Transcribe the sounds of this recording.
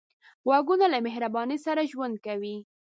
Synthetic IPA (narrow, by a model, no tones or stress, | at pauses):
ɣwɑɡunalamɪɦɾabɑnisaɾaʒwand̪̚kawi